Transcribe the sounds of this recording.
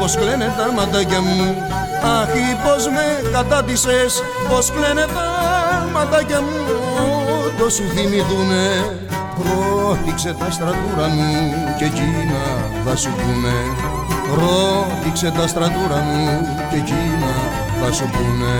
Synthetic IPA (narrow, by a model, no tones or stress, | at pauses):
po̞skle̞ne̞t̪ɐmɐt̪ɐcɐmu | ɐxipo̞zme̞kɐt̪ɐpises | po̞skle̞ne̞t̪ɐmɐt̪ɐcɐmu | t̪o̞suθimiðune̞ | pɾoθikse̞t̪ɐst̪ɾɐt̪uɾɐmu | ce̞cinɐ | θɐsupume̞ | pɾo̞θikse̞t̪ɐst̪ɾɐt̪uɾɐmu | ce̞ci | nɐ | θɐsupume̞